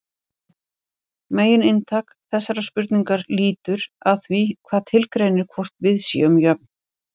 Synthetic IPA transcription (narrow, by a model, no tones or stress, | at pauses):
meːjɪnɪnt̪ʰaːk | θɛsːaɾaspʏɾt̪niŋkaɾliːt̪ʏɾaðθvikʰvaːðt̪ʰɪlkɾeːjnɪɾ̥kʰvɔr̥t̪vɪðsḭːʏmjœp̚n̥